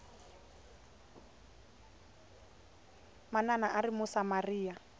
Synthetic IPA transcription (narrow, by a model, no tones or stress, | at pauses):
mananaʔarimʊsamariːa